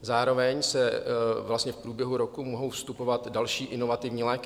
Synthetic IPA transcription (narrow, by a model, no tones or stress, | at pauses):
zaːɾo̞vɛɲsɛvlast̪ɲɛfpɾuːbjɛɦuɾo̞kumoɦo̞wfst̪upo̞vat̪dalʃiːʔɪno̞vat̪ɪvɲiːlɛːk